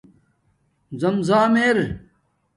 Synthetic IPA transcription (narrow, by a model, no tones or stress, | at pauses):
zɐmzaːmeːɾ